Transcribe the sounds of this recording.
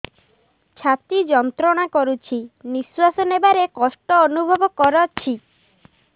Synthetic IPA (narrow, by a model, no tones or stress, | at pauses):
t͡ʃʰat̪id͡ʒɔnt̪ɾɔɽ̃akɔɾut͡ʃʰiniswasɔnebaɾekɔsʈɔːnubʱɔbɔkɔɾɔt͡ʃʰi